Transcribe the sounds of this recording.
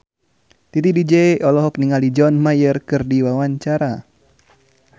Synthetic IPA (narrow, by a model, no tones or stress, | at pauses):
t̪it̪idid͡ʒɛʔɔlɔɦɔkniŋalid͡ʒɔnmajərkɨrdiwawaɲt͡ʃaɾa